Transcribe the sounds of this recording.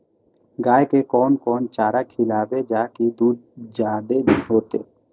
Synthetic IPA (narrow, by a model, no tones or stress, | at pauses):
ɡaekekɔnkɔnt͡ʃaɾakʰilabed͡ʒakid̪ud͡ʒad̪eɦot̪e